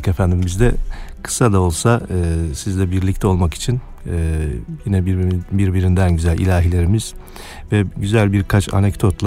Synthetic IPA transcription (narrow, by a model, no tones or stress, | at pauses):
ke̞fænd̪imizd̪ɛkʰɯ̥sad̪ao̞lˠsaɯːsizlʲɛbiɾlʲict̪ʰɛo̞lˠmaki̥t͡ʃʰin | ɯːjinɛbbiɾbiɾind̪ænɟyzælʲʔḭlʲaːɦilʲe̞ɾimiz̥ | vɛɟyzælʲbiɾkʰat͡ʃʰa̰nɛcd̪o̞t̪lˠa